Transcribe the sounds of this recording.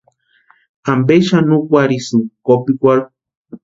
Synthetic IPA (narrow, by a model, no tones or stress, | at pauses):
ambeʃanukʷaɾisukopikʷaɾu